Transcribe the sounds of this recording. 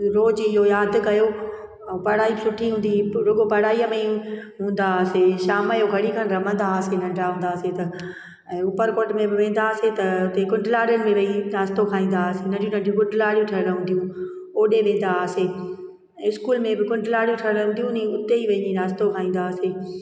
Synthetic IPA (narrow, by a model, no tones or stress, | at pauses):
ɾoːd͡ʑɪɦojaːd̪kɐjo | pɐɽaːisʊʈʰiɦũːnd̪iɾʊɠopɐɽaːiəmẽɦũːnd̪aəseʃaːməjoɡʱɐɽikʰənɾɐmə̃nd̪asenɐ̃ɳɖaɦũːnd̪aːset̪ɐ | ɛ̃ːʊpəɾkoːʈmẽbɪʋẽːn̆d̪aːəset̪ɐʊt̪ekʊɳɖɪlaːɾjʊnɪ̆mẽʋɐiɾaːst̪okʰaːĩːnd̪asenɐ̃d͡ʑiũnɐ̃ɖjũk̬ʊ̃ɖɪlaːɽijũʈʰɐɾɾɐɦũnd̪ijũ | oːɗeʋẽːn̆d̪ase | ɪskuːlmẽbɪkʊ̃ɳɖlaːɽijũʈʰɐɾɾɐɦũːnd̪ijũnĩʊt̪eiʋɐiĩɾaːst̪okʰaːĩːn̆d̪aːseː